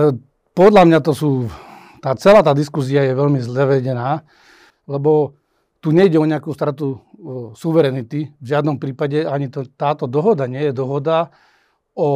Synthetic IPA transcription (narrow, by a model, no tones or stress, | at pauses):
pɔd̪ʎamɲat̪ɔsuː | t̪aːt͡sɛlaːt̪aːd̪iskus̬iajɛʋɛʎmizlɛʋɛɟɛnaː | lɛbɔ | t̪uːɲɛiɟɛɔɲɪakuːst̪ɾat̪usuʋɛɾɛnit̪ivʒɪad̪nɔmpɾiːpaɟɛaɲit̪ɔt̪aːt̪ɔd̪ɔɦɔd̪aɲɪɛjɛd̪ɔɦɔd̪a | ɔ